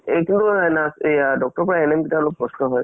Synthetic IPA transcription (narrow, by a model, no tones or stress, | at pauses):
ejkintunasedɔk̚tɔɹpɔɹaɛnemkitaɔlok̚pːɔsnɔɦɔj